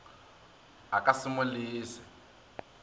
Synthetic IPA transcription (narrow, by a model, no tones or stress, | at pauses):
akasimuliːsɛ̥